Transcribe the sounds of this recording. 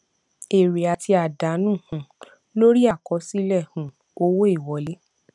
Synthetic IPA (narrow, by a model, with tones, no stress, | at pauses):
e˨ɾe˨a˨tʰi˧a˨da˨˦nũ˦˨hũ˨˦ | lo˦ɾi˦a˦˨kɔ˨˧˦si˦lɛ˦˨hũ˨ | o˦wo˦i˦˨wɔ˨˦le˦